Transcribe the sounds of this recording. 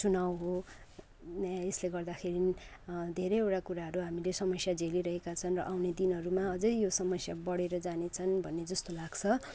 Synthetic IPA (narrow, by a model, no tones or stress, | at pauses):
t͡sunawɦo | esleɡʌrd̪axʰeɾinid̪ʱeɾʌjewʈakuɾaɦʌɾuɦamilesʌmʌsjad͡zʱeliɾʌɦekat͡sʰʌnrʌʔawned̪inʌɾumaʌd͡zʌjjosʌmʌsjabʌɽeɾʌd͡zanet͡sʰʌnbʱʌnːed͡zʌst̪olaɡt͡sʰʌ